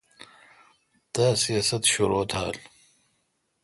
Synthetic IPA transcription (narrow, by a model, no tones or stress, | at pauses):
d̪̥asijaːsɐt̪ɕuɾoːt̪ʰa̰ːl